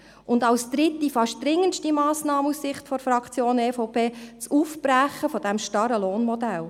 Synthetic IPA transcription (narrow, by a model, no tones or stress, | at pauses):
ʔʊndɑlsd̪̥ɾɪt̪ːifɑʃt̚d̥̪ɾɪŋːənʃtimɑːsnɑːməussɪχtfɔɾfɾɑkt͡sjoːneːfɔʊpʰeːt͡sufpɾæχəfɔd̥ɛmʃtɑɾəloːnmɔd̪æl